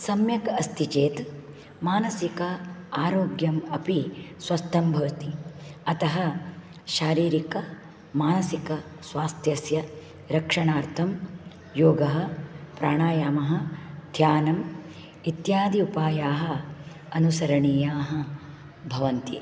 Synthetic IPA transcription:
sɐmjɐkɐst̪it͡ʃeːt̪ | maːnɐsikɐaːɾoːɡjɐmɐpisʋɐst̪ʰɐmbʱɐʋɐt̪iɐt̪ɐɦɐ | ʃaːɾiːɾikɐ | maːnɐsikɐ | sʋaːst̪ʰjɐsjɐ | ɾɐkʂɐɳaːɾt̪ʰɐm | joːɡɐɦɐ̆pɾaːɳaːjaːmɐɦɐ̆d̪ʱjaːnɐm | it̪jaːd̪iupaːjaːɦɐ̆ | ɐnusɐɾɐɳiːjaːɦɐ̆ | bʱɐʋɐnt̪ḭ

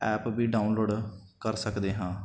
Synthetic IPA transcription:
ɛːpbiːɖaːʊunloːɖ | kəɾsəkd̪eːɦãː

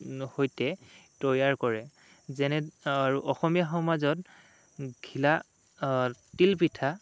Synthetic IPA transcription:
hojtɛtɔjaɹkɔɹɛ | zɛnɛaɹuʔɔxɔmijaxɔmazɔt̚ | ɡʱila | tilpitʰa

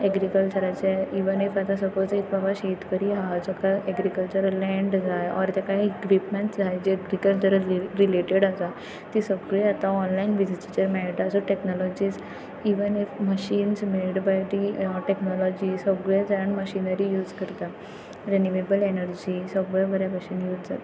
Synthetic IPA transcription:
ɛɡɾikəlt͡ɕəɾat͡ɕaiʋənefat̪ãsəpɔd͡zit̪babaɕet̪kəɾiɦad͡zɔkaɛɡɾikəlt͡ɕəɾlɛ̃ɳɖd͡zajɔ̰ɾt̪jakaiikʋipmeɳʈd͡zajd͡ʑeɛɡɾikəlt͡ɕəɾɾileʈeɽasa | t̪isəɡɭeat̪aɔnlainʋid͡zit͡ɕit͡ɕəɾmɛʈasəʈeknɔlɔd͡ʑiːs | iʋənefməɕiːnsmeɭɖbajd̪iʈeknɔlɔd͡ʑisəbɡɭɛd͡zaaɳməɕinəɾijuːd͡zkəɾt̪a | ɾenuʋebəlenəɾd͡ʑisəbɭbəɾjapəɕiːnjuːd͡zd͡zat̪a

